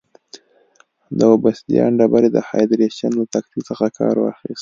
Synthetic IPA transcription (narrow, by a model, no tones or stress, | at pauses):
d̪əwobast̪ijɑɳɖabaɾed̪əhɑ̰jd̪ɾeʃanlat̪akt̪it͡səxakʰɑɾwɑ̰xist̪